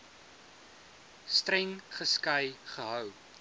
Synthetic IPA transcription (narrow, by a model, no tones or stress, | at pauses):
strɛŋχəskɐjχəɦœw